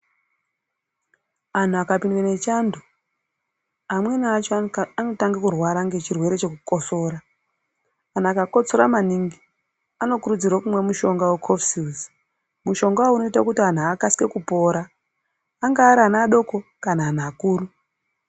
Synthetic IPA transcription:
an̤uakapindwene̞t͡ʃandu | amwe̞nːt͡ʃoano̞taŋɡakurwaɾaŋɡe̞t͡ʃirwe̞ɾe̞t͡ʃe̞kuko̞so̞ːɾaː | n̤akako̞t͡so̞ɾamaniŋɡi | ano̞kuɾud͡zirwakumwe̞muʃo̞ŋɡawekʰofsiz | muʃo̞ŋɡauno̞itakutian̤uakaske̞kupo̞ːɾaː | ŋɡaːɾianaːɗo̞ko̞kanaːnaːkuːɾu

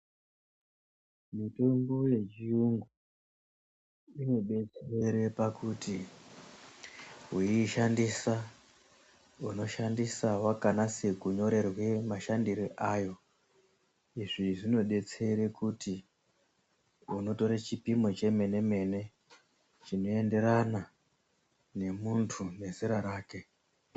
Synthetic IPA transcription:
mitombo̞je̞t͡ʃiuŋɡu | ino̞ɓe̞t͡se̞ɾe̞pakʰuti | uiːʃandisa | uno̞ʃandisawakanase̞kuɲo̞ɾe̞rwe̞maʃandiɾiʔaːjo̞ | iʐiʐino̞ɓe̞t͡se̞ɾe̞kuti | uno̞to̞ɾat͡ʃipimo̞t͡ʃe̞me̞ne̞me̞ne̞ | t͡ʃino̞e̞nde̞ɾana | ne̞muntʰune̞ziɾaɾaːke̞

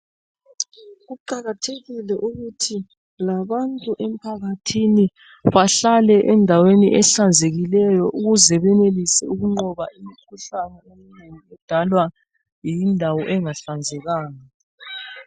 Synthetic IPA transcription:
ɣuǃaɣatʰeɣilɛʔuɣutʰi | laβantʼuʔem̩pʰaɣatʰini | βaɬalɛʔɛndʱawenḭʔɛɬand͡zʱeɣilɛjɔʔuɣuzɛβɛnelisɛuɣuŋ͡ǃɔβaʔimikʰuɬanɛemineniɛd̥ʱalwa | jindʱawɔʔɛŋaɬand͡zʱɛɣaːŋa

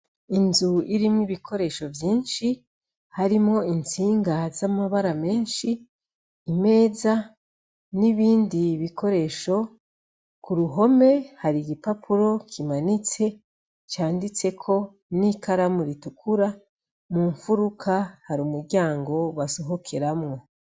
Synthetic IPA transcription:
inzuiɾimŋiβikʰo̞ɾe̞ːʃo̞vjiːnʃi | haɾimŋo̞int͡siːŋɡazamaβaɾame̞ːnʃiː | me̞ːza | niβiːndiβikʰo̞ɾe̞ʃo̞ | kuɾuɦo̞me̞haɾiɡipapʰuɾo̞kʰimanit͡se̞ | t͡ʃaːndit͡se̞kʰo̞ | nikaɾamuɾitukʰuɾa | muːɱfuɾukʰahaɾuːmuɾɟaːŋɡo̞βasoɦo̞kʰeɾamŋo̞

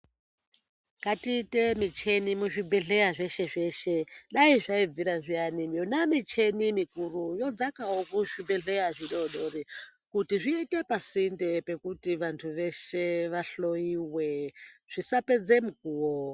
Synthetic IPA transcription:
katite̞mit͡ʃe̞nimuʐibʱeɮe̞aʐe̞ʃe̞ʐe̞ʃe̞ɗaiʐaib͡viɾaʐianimionamit͡ʃe̞nimikurujo̞d͡zakaokuʐibʱeɮejaʐiɗoɗorikutiʐiite̞pasindepe̞kutiʋantʰuʋe̞ʃeʋaɬo̞iweʐ̥isape̞d͡ze̞muk̚uːwo

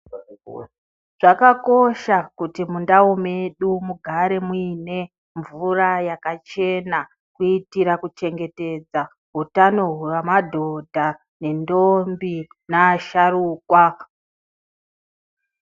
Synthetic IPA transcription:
ʐ̥akako̞ʃakutimundaome̞ɗumuɡʱaɾe̞muine̞ | ɱvurajakat͡ʃe̞na | kuitiɾakut͡ʃe̞ŋɡe̞te̞d͡za | ɦutano̞ɦuramadʱo̞dʱa | ne̞ndo̞mbi | naːʃaruːkwa

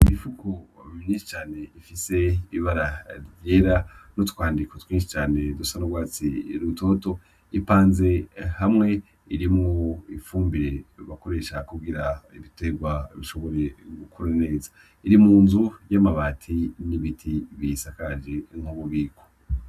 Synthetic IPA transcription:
imifukʰominiʃi̥t͡ʃaːne̞ifise̞iβaɾaɾjeːɾanotu̥kwaːndikotwiːnʃ̬i̥t͡ʃaːne̞dusanoɡwaːt͡siɾutʰo̞to̞ | ipaːnze̞hamŋe̞ | iɾimŋoifuːmbiɾe̞βako̞ɾe̞ʃakuɡiɾaiβite̞ɡwaiβiʃo̞βo̞ɾe̞ɡukʰoɾane̞ːza | iɾimuːnzujamaβaːtʰiniβitʰiβisakad͡ʒeŋ̥huβuβiːkʰo̥

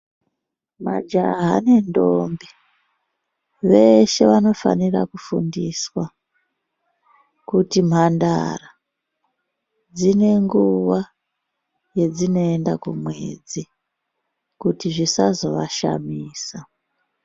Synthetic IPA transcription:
ma̰d͡ʒaɦa̰ne̞ndo̞mbi | ʋe̞ʃe̞ʋano̞fa̰nira̰kufundiswa | kutim̤andara | d͡zine̞ŋɡuʋa | je̞d͡zino̞e̞ndakumwe̞̰d͡zi | kutiʐisazo̞ʋaʃa̰miːsa

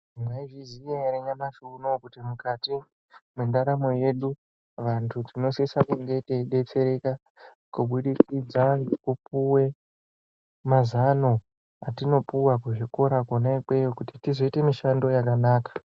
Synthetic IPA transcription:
maiʐizijeaɾeɲamaʃunokutimukati | mendaɾamo̞je̞ɗu | ʋantʰutino̞sesakuŋɡe̞teɗe̞t͡se̞ɾe̞ka | kuɓuɗikid͡zaŋɡekupuwe̞ | mazano̞ | atino̞puwakuʐiko̞ɾakonaikwe̞jokutitizoite̞miʃando̞jak̬anaːkḁ

